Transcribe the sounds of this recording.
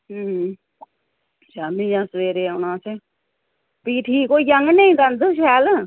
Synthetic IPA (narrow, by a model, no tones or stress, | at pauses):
d͡ʒaːmĩːjãːsʋeːɾeːʊnãːse | piːʈʰiːkoːiːjəŋɡneĩːkənd̪əʃ̬ɛːl